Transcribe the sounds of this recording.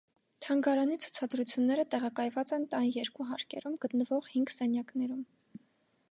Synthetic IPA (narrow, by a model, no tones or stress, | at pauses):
t̪ʰɑŋɡɑɾɑnit͡sʰu̥t͡sʰɑd̪ɾut͡sʰjunːɛɾət̪ɛʁɑkɑjvɑt͡sɛnt̪ɑnjɛɾkuɦɑɾkɛ̰ɾumɡət̪nəvɔʁhiŋɡsɛnjɑknɛɾum